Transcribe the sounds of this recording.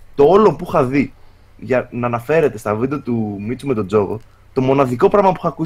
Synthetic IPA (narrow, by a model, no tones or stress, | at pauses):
t̪o̞olo̞puxɐði | ʝɐnɐːnɐfe̞ɾe̞t̪e̞st̪ɐvid̪ɐt̪umit͡sume̞t̪o̞d͡zo̞ɣo̰ | t̪omo̞nɐðiko̞pɾɐɣmɐpu̥xɐku